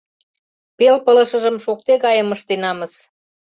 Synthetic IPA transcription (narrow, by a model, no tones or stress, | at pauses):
pelpələ̆ʃə̆ʒə̆mʃok̚t̪eɣɑjə̆məʃt̪enɑmə̆s